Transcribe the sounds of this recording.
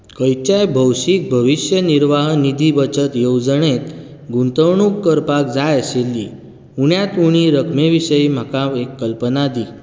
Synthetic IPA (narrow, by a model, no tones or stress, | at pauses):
kəjt͡ɕajbʱəwɕik̚bʱəʋiɕjəniɾʋaɦnid̪ʱibət͡ɕət̪jowd͡zəɳet̪ | ɡunt̪əwɳukːəɾpakd͡zajəɕelːiː | uɳjat̪uɽ̃iɾəkʰmeʋiɕəjm̤akãʋekːəlpənad̪i